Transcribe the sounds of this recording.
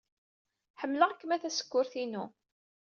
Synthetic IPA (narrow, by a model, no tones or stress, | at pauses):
ħəmːləʁækːəmæθæsə̥kːʊɾθinu